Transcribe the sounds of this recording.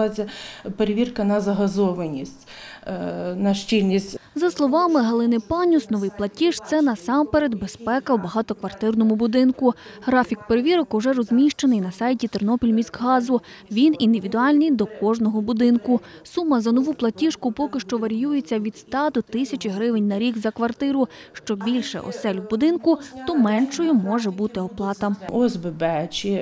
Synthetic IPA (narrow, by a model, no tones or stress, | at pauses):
t͡sʲɐpeɾeʋʲirkɐnɐzɐɦɐzɔʋɐnʲisʲtʲ | nɐʃt͡ʃilʲnʲisʲtʲzɐslˠɔʋɑmɪɦɐlˠɪnɪpɑnʲusnɔʋɪjplˠɐtʲiʃt̪sɛnɐsɑmpeɾe̞d̪be̞spɛkɐwbɐɦɑt̪ɔkʋɐrt̪ɪrnɔmʊbʊd̪ɪnkʊɦɾɑfʲikpeɾeʋʲiɾɔkʊʒɛrɔzʲmʲiʃt͡ʃenɪjnɐsɑjtʲit̪ernɔpʲilʲmʲiskɦɑzʊ | ʋʲinind̪ɪʋʲid̪ʊɑlʲnɪjd̪ɔkɔʒnɔɦɔbʊd̪ɪnkʊsumːɐzɐnɔʋuplˠɐtʲiʃkʊpɔkɪʃt͡ʃɔʋɐɾʲijujet͡sʲːɐʋʲid̪st̪ɑd̪ɔt̪ɪsʲɐt͡ʃʲɪɦɾɪʋɪnʲnɐɾʲiɡzɐkʋɐrt̪ɪɾʊʃt͡ʃɔbʲilʲʃɛ̰ʔɔ̰sɛlʲwbʊd̪ɪnkʊt̪ɔmɛnʃɔjʊmɔʒɛbut̪ɪɔplˠɑt̪ɐɔzbɪbɛt͡ʃʲi